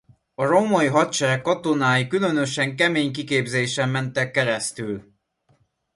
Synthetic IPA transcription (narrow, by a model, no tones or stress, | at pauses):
ɒromɒjiɦɒt̪t͡ʃɛɾɛkːɒt̪o̞naːjikylø̞nø̞ʃɛŋkɛmeːɲkikeːbzeːʃɛmːɛnt̪ɛkːɛɾɛst̪yl